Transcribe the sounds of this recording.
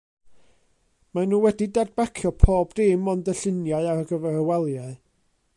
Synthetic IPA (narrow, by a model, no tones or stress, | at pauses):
manuːwɛdidad̚bakʰjɔpʰoːbdɪmɔndəɬɪnjaɨaɾəɡəvɛrəwɛlˠjaɨ